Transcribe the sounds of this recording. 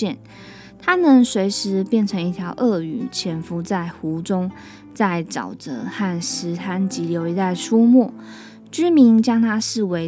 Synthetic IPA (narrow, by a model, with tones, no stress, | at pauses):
ɛ˥˩˨n | t̪ʰa˥nə˧˦ŋswe˧˥ɪʂɻ̩˧˥pjɛ˥˩nʈ͡ʂʰɤ˧˥ŋi˥˩t̪ʰjɑ˧˥ʊʔɤ˥˩y˨˩˦t͡ɕʰjɛ˧˥nfu˧˥t͡sa˥˩ɪxu˧˥ʈ͡ʂʊ˥ŋ | t͡sa˥˩ɪʈ͡ʂɑ̰˨˩ʊt͡sɤ̰˧˦xa˥˩nʂɻ̩˧˥t̪ʰa˥nt͡ɕi˧˥ljo˧˥ʊi˧˥t̪a˥˧˩nʂu˥mɔ˥˩ | t͡ɕy˥mi˧˥nt͡ɕjɑ˥ŋt̪ʰa˥ʂɻ̩˥˩we˧˥ɪ